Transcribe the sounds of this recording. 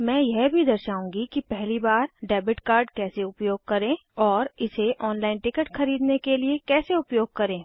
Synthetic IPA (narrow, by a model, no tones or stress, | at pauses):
mɛ̃ːjɛɦbʱid̪ɐɾʃaːũŋɡikipɛɦlibaːɾɖɛːbɪʈkaːɾɖkɛːseʊpjoːɡ̚kɐɾẽːɔːɾɪseʔɔːnlaːɪnʈɪkəʈxɐɾiːd̪nekeliekɛːseʊpjoːɡ̚kɐɾẽː